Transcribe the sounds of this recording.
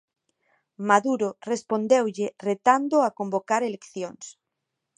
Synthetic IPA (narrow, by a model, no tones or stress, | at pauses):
maðuɾorespond̪ewʎɪret̪and̪oakombokaɾelekθjoŋs